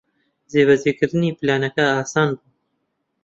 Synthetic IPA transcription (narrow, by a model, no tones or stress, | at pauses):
zeːβɛzeːkɨɾɨniːpɨlɑːnɐkɛaːsɑːnbuː